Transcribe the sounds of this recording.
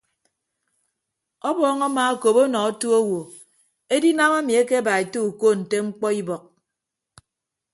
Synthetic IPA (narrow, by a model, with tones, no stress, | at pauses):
ɔ˦bɔː˦ŋa˦ma˦a˦ko˨po˦nɔ˨a˦tu˦o˦wo˨ | e˦di˦na˦ma˦mi˨e˦ke˦a˦ba˨e˨to˦u˨ko˦n̩˨te˦ŋ͡m̩˦k͡pɔ˦i˦bɔ˨k̚